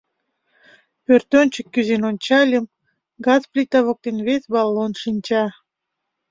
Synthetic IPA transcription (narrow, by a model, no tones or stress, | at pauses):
pørt̪onʲt͡ɕəkːyzenonʲt͡ɕɑlʲəm | ɡɑzplʲit̪ɑβok̚t̪enβesbɑlˠːonʃinʲt͡ɕɑ